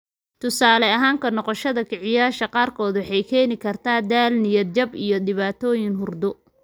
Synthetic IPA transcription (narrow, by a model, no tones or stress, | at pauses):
t̪ʰʊsaːlɛɐɦaːŋkʰɐnɔqɔʃɐðɐkʰɪʕɪjaːʃɐqɑːrkʰɔːðʊħɛjkʰɛːnɪkʰɐrt̪ʰaːd̪aːlnɪjɐd̪̚d͡ʒɐbḭjɔɗɪβaːt̪ʰɔːjɪŋɦʊrd̪ʊ